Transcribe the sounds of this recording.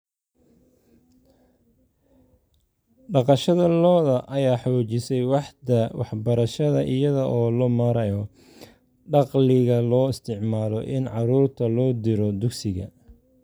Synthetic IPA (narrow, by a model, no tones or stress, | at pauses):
ɖɑqɑʃɐðɐlɔːðɐʔɐjaːħɔːt͡ʃɪsɛjwɑħd̪ɐwɑħbɐɾɐʃɐðɐʔɪjɐðɐʔɔːlɔmɐːɾɐjɔ | ɖɑqlɪɣɐlɔːɪst̪ʰɪʕmaːlɔ̰ʔɪnʕɑɾuːrt̪ʰɐlɔːd̪ɪɾɔd̪ʊɡsɪɣɐ̰